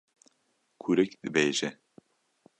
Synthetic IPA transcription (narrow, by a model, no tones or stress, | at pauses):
kʰuɾɛkd̪ɨbeːʒɛ